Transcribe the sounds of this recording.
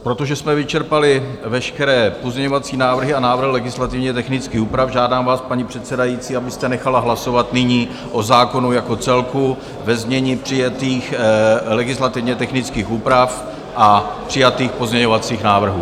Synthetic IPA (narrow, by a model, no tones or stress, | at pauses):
pɾo̞t̪o̞ʒɛsmɛvɪt͡ʃɛɾpalɪvɛʃkɛɾɛːpo̞zɲɛɲovat͡siːnaːvr̩ɦɪanaːvr̩ɦɪlɛɡɪslat̪ɪvɲɛt̪ɛxnɪt͡skiːxuːpɾafʒaːdaːmvaːspaɲipr̥ɛt̪sɛdajiːt͡siːabɪst̪ɛnɛxalaɦlaso̞vat̪nɪɲiː | ʔo̞zaːko̞nujako̞t͡sɛlku | vɛzmɲɛɲiːpr̝̥ɪjat̪iːxlɛɡɪslat̪ɪvɲɛt̪ɛxnɪt͡skiːxuːpɾaf | ʔapr̝̥ɪjat̪iːxpo̞zɲɛɲovat͡siːxnaːvr̩ɦuː